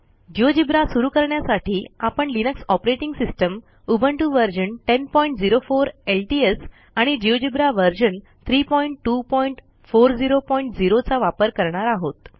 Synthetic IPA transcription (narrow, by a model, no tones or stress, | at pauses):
d͡ʑiod͡ʑibɾasuɾuːkəɾɳjasaʈʰiːapəɳlinəksɔpɾeʈiŋɡsisʈəm | ubʱəɳʈuʋəɾd͡ʑəɳʈenpɔiɳʈ̚d͡ziɾofoɾelʈies | aɽ̃id͡ʑiod͡ʑibɾaʋəɾd͡ʑən | t̪ʰɾiːpɔiɳʈːupɔiɳʈ | foɾd͡ziɾopɔiɳʈ̚d͡ziɾot͡saʋapəɾkəɾɳaɾaɦot̪